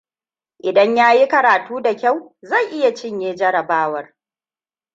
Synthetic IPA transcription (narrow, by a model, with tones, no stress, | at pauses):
ʔɪ˨dɐ˦ɲjaː˦ji˦kɐ˨ɾaː˨tuː˦da˨kʲa˦˨wzɐ˦˨jʔɪ˦ja˨t͡ʃɪ˦ɲjeː˦d͡ʒɐ˦ɾɐ˨baː˦wɐ˦r